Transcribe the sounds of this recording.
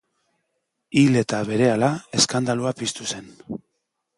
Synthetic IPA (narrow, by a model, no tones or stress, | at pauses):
ile̞t̪aβe̞ɾe̞alae̞skand̪aluapist̪use̞n